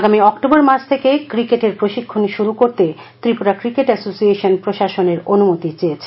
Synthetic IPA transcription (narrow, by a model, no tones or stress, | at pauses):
aɡamiɔkʈoboɾmat͡ɕʰt̪ʰekekɾikeʈeɾpɾoʃikʰːoniʃuɾukoɾt̪e | t̪ɾipuɾakɾikeʈɛsosieʃonpɾoʃaʃoneɾonumot̪it͡ɕeet͡ɕʰ